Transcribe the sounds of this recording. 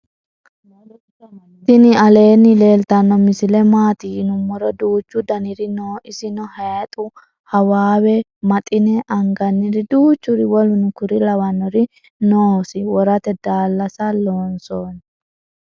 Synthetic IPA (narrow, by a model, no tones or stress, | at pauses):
t̪ːɪnɪɐle̞ːnːɪle̞ːlt̪ɐnːɔmɪsɪlɛmaːt̪inʊmːɔɾɔd̪uːt͡ʃːʊd̪ɐnɪɾɪnoːʔɪsɪnɔhɛːt̪ʼʊ | hɐwaːwɛmɐt̪ʼɪnɛʔɐŋɡɐnːɪɾɪd̪uːt͡ʃːʊɾɪwɔlʊnʊkʊɾɪlɐwɐnːɔɾɪ | noːsɪwɔɾɐt̪ɛd̪aːlːɐsɐloːnsoːnɛ